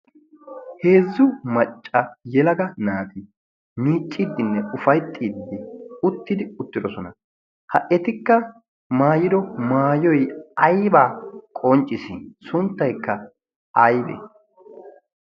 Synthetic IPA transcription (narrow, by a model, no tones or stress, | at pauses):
he̞ːzːʊmɐt͡ʃʼːɐjɛlɐɡɐnaːt̪ɪ | miːt͡ʃʼːid̪ːɪnːɛʊfɐjt̪ʼːiːd̪ɪʊt̪ːɪd̪ɪʊt̪ːɪd̪ɔsɔnɐ | hɐʔɛt̪ɪkːɐ | maːjɪd̪ɔmaːjɔjɐjbaːkʼɔnt͡ʃʼːɪsɪsʊnt̪ːɐjkːɐ | ɐjbɛ̰